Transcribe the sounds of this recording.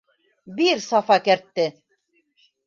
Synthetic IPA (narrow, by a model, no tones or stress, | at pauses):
biɾsɑfɑkæɾt̪ːɘ